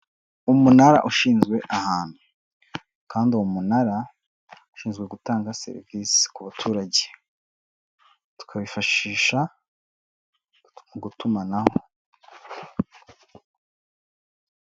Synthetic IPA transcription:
umunaɾa̰ʔuʃiːnzɡwe̞ʔahaːn̥hu | kaːndiuwomunaɾa | uʃiːnzɡwe̞ɡutaːŋɡasḛɾḭviːsi̥kuβatʰuːɾaɟe | tu̥kʰaβifaʃiːʃa | muɡutumanaho

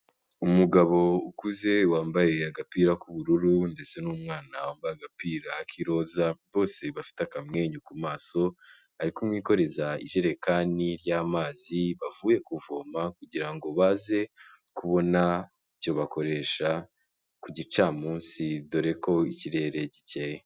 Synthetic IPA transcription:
umuɡaβo̞ukuze̞waːmbaje̞aɡapiːɾakuβuɾuɾunde̞se̞nuːmŋaːnawaːmbajaɡapiːɾakʰiɾo̞ːzaβo̞ːse̞βafi̥teakamŋe̞ːɲukumaːso̞ | aɾikumŋiːko̞ɾe̞zaḭʒe̞ɾe̞kaːniɾjaːmaːziβavuːje̞kuvoːmakuɟiɾaŋɡo̞βaːze̞ | kuβo̞na | ico̞βako̞ɾe̞ːʃa | kuɟit͡ʃaːmuːnsidoɾe̞ko̞iciɾe̞ɾe̞ɟiceje

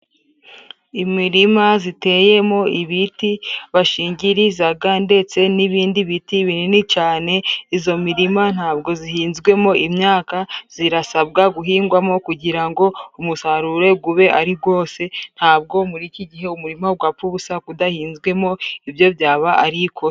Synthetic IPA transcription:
imiɾimazite̞je̞mo̞iβitiβaʃiːɲɟiɾizaɡande̞t͡se̞niβiːndiβitiβininit͡ʃaːne̞izo̞miɾiman̥haːbɡo̞zihiːnzɡwe̞mo̞ʔimɲaːkaz̥iɾasabɡaɡuɦiːŋɡwamo̞kuɟiɾaŋɡo̞umusaɾuɾe̞ɡuβe̞ʔaɾiɡo̞ːse̞n̥haːb̚ɡo̞muɾiciɟiɦe̞umuɾimaɡwapuβusakudahiːnzɡwe̞mo̞ibjo̞bjaːβaʔːɾikʰo

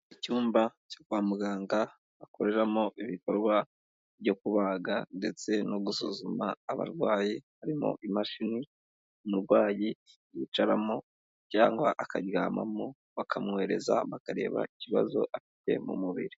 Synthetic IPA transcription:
icuːmbaco̞kwaːmuɡaːŋɡa | βako̞ɾe̞ɾamoʔiβiko̞ɾɡwa | vjɟo̞kuβaɡande̞t͡se̞noɡusuzumaːβa̰ɾɡwaːjihaɾimo̞̰ʔimaʃini | muɾɡwaːji | jit͡ʃaɾamo̞ | caːŋɡwaʔakaɟwaːma̰mo | βakʰamŋe̞ɾe̞za̰βakaɾe̞̰ːβa̰iciβa̰zo̞̰ʔafi̥te̞̰mṵmuβḭɾi

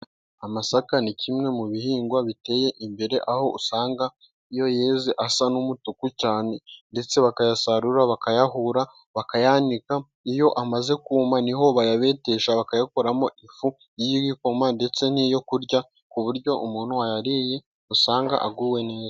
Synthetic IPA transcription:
amasakanicʰimŋe̞muβihiːŋɡwaβite̞ːje̞ʔimbe̞ɾe̞ʔaho̞usaːŋɡa | ijo̞jeːziʔasanumutukucaːne̞nde̞t͡se̞βakajasaɾuɾaβakajaɦuɾa | βakajaːnika | ijo̞ʔamaze̞kuːmaniɦo̞βajaβe̞te̞ʃaβakajako̞ɾamo̞ʔifu | jiiwiko̞mande̞t͡se̞n̥ijo̞kuɾɟa | kuβuɾɟo̞ʔumuːn̥huwajaɾije̞ | usaːŋɡa̰ʔaɡuwe̞ne̞ːza

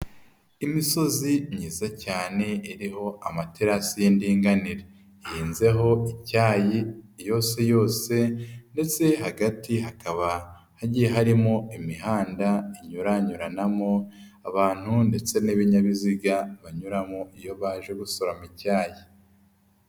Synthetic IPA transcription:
imiso̞ziɲiːzacaːne̞iɾiɦo̞ʔamateɾasijindiːŋɡaniɾe | jiːnze̞ɦo̞icaːjijo̞ːse̞jo̞ːse̞nde̞t͡se̞ɦaɡatiɦakaβa | haɟijeɦaɾimo̞imiɦaːndaiɲuɾaɲuɾanamo̞ | aβaːn̥hunde̞t͡se̞niβiɲaβiziɡaβaɲuɾamoijo̞βaːʒe̞ɡusoɾamicaːji

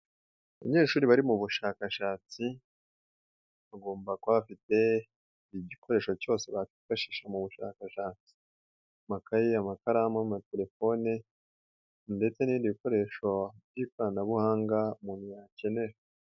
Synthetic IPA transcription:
aβa̰ɲe̞ːʃuːɾiβaɾimuβuʃakaʃaːt͡si | βaɡo̞ːmbakwaβafite̞ | iɟikʰo̞ɾe̞ːʃo̞co̞ːse̞βatifaʃiːʃamuβuʃa̰kaʃaːt͡si̥ | makajiamakaɾamamate̞le̞fo̞ne | nde̞t͡se̞niːndiβiko̞ɾe̞ʃo̞bɟiːkwanaβuhaːŋɡamunijace̞ne̞ɾa

